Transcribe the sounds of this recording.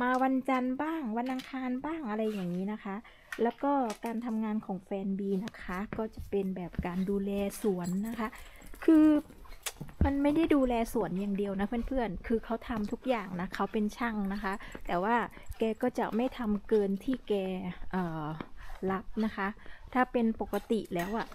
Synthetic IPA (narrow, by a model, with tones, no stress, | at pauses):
maː˧wa˧nt͡ɕa˧nbaː˥˩ŋwa˧nʔa˧ŋkʰaː˧nbaː˥˩ŋʔa˧ɾa˧jːaː˨˩ŋːiː˦˥na˦˥kʰa˦˥ʔ | lɛː˦˥wkɔː˥˩kaː˧nt̪ʰa˧mŋaː˧nkʰɔː˩˦ŋfɛː˧nbiː˧na˦˥kʰa˦˥kɔː˥˩t͡ɕa˨˩pe˧nbɛː˨˩p̚kaː˧nduː˧lɛː˧su˨˩˦ənːa˦˥kʰa˦˥ʔ | kʰɯː˧ | ma˧nma˥˩jda˥˩jduː˧lɛː˧su˨˩˦ənjaː˨˩ŋdi˧əwna˦˥pʰɯ˥˩ə˨npʰɯ˥˩ənkʰɯː˧kʰa˦˥wt̪ʰa˧mt̪ʰu˦˥k̚jaː˨˩ŋna˦˥kʰa˦˥wpe˧nt͡ɕʰa˥˩ŋna˦˥kʰa˦˥t̪ɛː˨˩waː˥˩kɛː˧kɔː˥˩t͡ɕa̰˨˩ma˥˩jt̪ʰa˧mkɤː˧nt̪ʰiː˥˩kɛː˧ʔɤː˨˩la˦˥p̚na˦˥kʰa˦˥ʔt̪ʰaː˥˩pe˧npo˨˩kːa˧t̪i˨˩lɛː˦˥wʔa˨˩ʔ